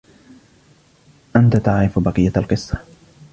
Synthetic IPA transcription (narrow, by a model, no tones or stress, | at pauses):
ʔant̪at̪aʕɾɪfbɑqɨjːaalqɨsˤːɑ̥